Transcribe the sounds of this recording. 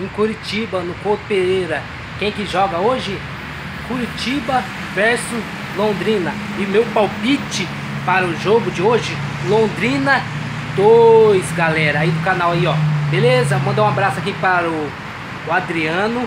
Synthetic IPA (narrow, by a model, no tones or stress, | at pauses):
ĩkuɾit͡ʃibɐnʊkod̪ʊpeɾejɾɐ | kẽj̃kɪʒɔɡɐoʒɪ | kuɾit͡ʃibɐ | vɛɾsʊs | lõd̪ɾĩnɐ | ɪʊmewpawpit͡ʃɪ | paɾɐʊʒoɡʊd͡ʒɪoʒɪ | lõd̪ɾĩnɐ | d̪ojzɡalɛɾɐaid̪ʊkanawaiɔbelezɐmɐ̃nd̪oũabɾasʊakipaɾɐʊː | ad̪ɾiɐ̃nʊ